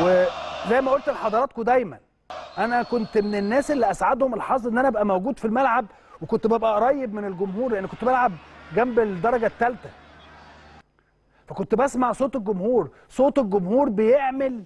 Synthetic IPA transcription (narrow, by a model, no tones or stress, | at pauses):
wezæjːmæʔolt̪elħɑd̪ˤɑɾɑːt̪̚kod̪æjmæ̰n | ʔænækont̪menenːæːselːiʔæsʕad̪homelħɑsˤʔenːænæʔæbʔæmæwɡuːd̪filmælʕab | wekont̪bæbʔæɾˤɑjːebmenelɡomhuːɾlʔenːikont̪bælʕabɡæmbeld̪ɑɾˤɑɡæt̪ːælt̪æ | fækont̪ebæsmaʕsˤoːt̪elɡomhuːɾ | sˤoːt̪elɡomhuːɾbejeʕmel